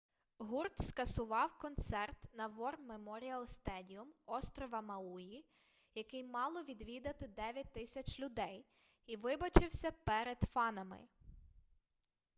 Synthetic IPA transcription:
ɦurt̪skɐsʊʋɑwkɔnt̪sɛrt̪nɐʋɔrmemɔɾʲiɐlˠst̪ɛdʲiʊmɔst̪ɾɔʋɐmɐuji | jɐkɪjmɑlˠɔʋʲid̪ʋʲid̪ɐt̪ɪd̪ɛʋʲjɐt̚ʲt̪ɪsʲɐt͡ʃʲlʲʊd̪ɛj | iʋɪbɐt͡ʃɪwsʲɐpɛɾed̪fɑnɐmɪ̰

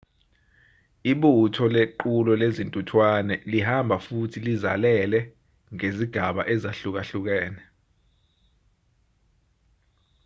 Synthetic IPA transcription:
iɓutʰɔleǃulɔlezintʼutʰwanɛlihambʱafutʰilizalɛlɛ | ŋeziɡ̥ʱaɓaʔɛzaɬuk̬aɬuk̬ɛːnɛ

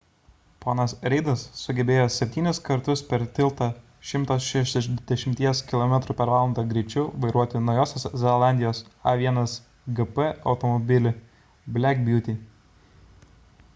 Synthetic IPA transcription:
poːnɐsɾʲɛɪd̪ɐsːʊɡʲɛbʲeːjoːsʲɛpʲt̪ʲiːnʲɪskɐɾt̪ʊspʲɛɾt̪ʲɪlˠˑt̪ɐ | ʃʲɪmt̪osʃɛʃʲd̪ʲɛʃʲɪmʲt̪ʲiɛskʲɪlˠɔmʲɛt̪ɾupʲɛɾʋɑːlˠɐnd̪ɐɡɾʲɪt͡ʃʲʊʋɐɪɾuɔt̪ʲɪnɒʊjoːsʲosʲzʲɛlˠɑˑnʲd̪ʲɪjoːsɐʋʲiɛnɐs | ɡɨpɛɒʊt̪ɔmɔbʲɪlʲɪ | bʲlʲækbʲjuːt̪ʲi

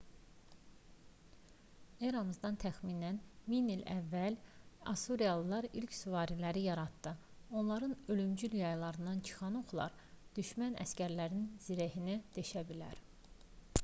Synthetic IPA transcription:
eɾɑmɯzd̪ɑnt̪ʰæxminænminilæ̰vːælɑ̰suɾiɑlˠlːˠɑɾilcsuvɑːɾilæɾijɑɾɑt̪ːɯ | o̞nlˠɑɾɯnølymd͡ʒyljɑjlˠɑɾɯnd̪ɑnt͡ʃʰɯ̥xɑnoχlˠɑ̰ɾ | d̪̥yʃmænʔæ̰scæɾlæɾinz̥iɾæhinid̪̥eʃæbilæ̰ɾ

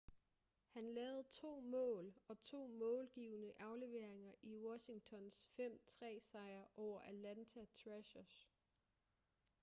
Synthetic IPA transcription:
hænlɛːʊð̞̩ˠt͡sʰo̝̰ːmɔ̰̽ːlɒ̽t͡sʰo̝̰ːmɔ̽ːlɡ̥iːʊnəʔɑ̈ʊle̝ʋe̝ɐ̰eŋɐʔiwɒ̽ɕiŋt͡sʰɒ̽nsfem̰t͡sʰʁɛ̰ːsɑ̈ɪ̰ɐʔɒʊ̰ɐʔælænt͡sʰæt͡sʰʁɛɕɐs

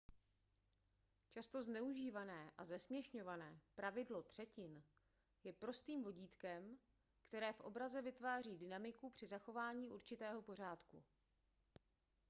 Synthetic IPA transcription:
t͡ʃast̪oznɛuʒiːvanɛːʔazɛsmɲɛʃɲo̞vanɛːpɾavɪdlo̞t̪r̝̥ɛcɪn | jɛpɾo̞st̪iːmvo̞ɟiːt̪kɛm | kt̪ɛɾɛːfʔo̞̰bɾazɛvɪt̪vaːriːdɪnamɪkupr̥ɪzaxo̞vaːɲiːʔuɾt͡ʃɪt̪ɛːɦo̞po̞r̝aːt̪kṵ

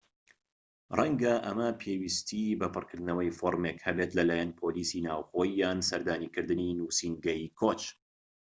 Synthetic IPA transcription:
rɐŋɡɐʔɐ̰mɐpʰewist̪ʰibɐpɨrkɨɾd̪ɨnɐwɐjfoɾmekhɐbet̪lɐlaːjɛnpʰolisinaːwχoːjijaːnsɐɾd̪aːniːkɨɾd̪ɨninusinɡɐjikʰot͡ʃ

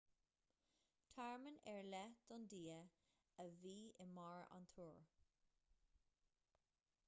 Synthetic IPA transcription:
t̪ʰaɹmənɛɹlɛd̪̥ɔnd̪iːə | əviːɪmaɹa̰nt̪ʰuːɹ

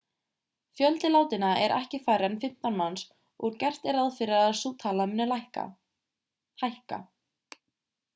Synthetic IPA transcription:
fjœlt̪ɪlaːwt̪ɪnaɛɾʔɛ̰hcɪfajɾanfɪm̥t̪anmans | ɔɾcɛr̥t̪ɛɾaðfɪɾɪaðsuːt̪ʰaːlamɪnːalajhka̰ | ajhka̰

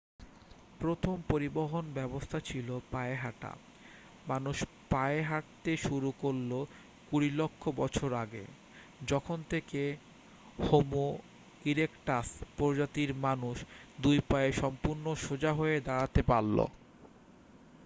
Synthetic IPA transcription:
pɾot̪ʰompoɾiboɦonbɛbost̪ʰat͡ɕʰilopaeɦaʈa̰ | manuʃ | paeɦaʈt̪eʃuɾukolːo | kuɾilokʰːobɔt͡ɕʰoɾaɡḛ | d͡ʑɔkʰont̪ʰeke | homo | iɾekʈaspɔɾd͡ʑat̪iɾmanuʃd̪ujpaeʃɔmpuɾnoʃod͡ʑaɦoed̪aɽat̪epalːo̰

